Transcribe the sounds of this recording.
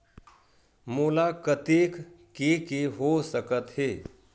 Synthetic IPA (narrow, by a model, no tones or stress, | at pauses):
muːlakət̪ek | kekeɦosəkət̪ɦeː